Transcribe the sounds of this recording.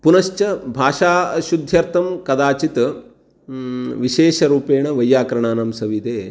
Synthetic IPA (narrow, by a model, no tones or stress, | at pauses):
punɐʃt͡ʃɐbʱaːʃaːʃud̪ʱjɐɾt̪ɐmkɐd̪aːt͡ʃit̪ | ʋiʃeːʃɐɾuːpeːɳɐʋɐjːaːkɾɐɳ̃aːnɐmsɐʋit̪eː